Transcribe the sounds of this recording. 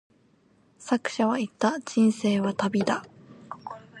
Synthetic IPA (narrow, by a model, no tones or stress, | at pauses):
sakɯ̟̥ɕaβait̪ːad͡ʑĩɰ̃se̞ːβat̪abʲid̪a